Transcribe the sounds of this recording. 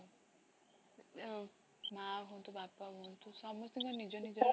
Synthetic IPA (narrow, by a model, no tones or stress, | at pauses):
maɦont̪ubapaɦont̪ʰusɔmɔst̪iŋkɔnid͡ʒɔnid͡ʒɔ